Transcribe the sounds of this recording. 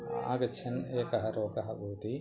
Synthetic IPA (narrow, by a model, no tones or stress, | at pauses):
a̰ːɡɐt͡ʃʰɐneːkɐɦɐɾoːkɐɦɐɡuːt̪i